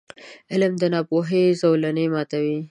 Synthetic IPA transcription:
ɪlmd̪ənɑpoɦezowlanemɑt̪awi

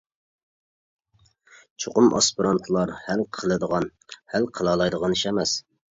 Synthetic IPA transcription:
t͡ʃʰoqʊmʔɑ̰spiɾɑnt̪ʰlˠɑɾhɛlqʰəlˠɨd̪əʁɑnhælqʰəlˠɑːlˠɑjd̪əʁɑniʃɛmɛs

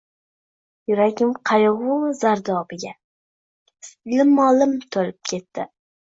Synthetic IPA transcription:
jʊɾaɡʲɪmqʰɑjʁʊzaɾd̪ɒbɪɡʲa | slɪmɒlɪmt̪ʰolɪp̚kʲʰe̞t̪ːɪ

